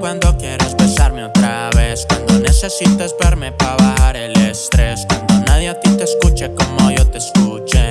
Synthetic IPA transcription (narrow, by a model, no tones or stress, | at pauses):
kwand̪o̞kjeɾezβesaɾme̞o̞t̪ɾaβe̞skkwand̪o̞nese̞sit̪ezβeɾme̞paβahaɾelest̪ɾe̞skwand̪o̞naðjeat̪it̪eskut͡ʃeko̞mo̞ʝo̞t̪e̞skut͡ʃe